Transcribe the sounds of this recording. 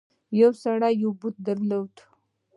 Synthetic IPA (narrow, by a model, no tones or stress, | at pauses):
jawsaɽajawbut̪̚d̪əɾlowd̪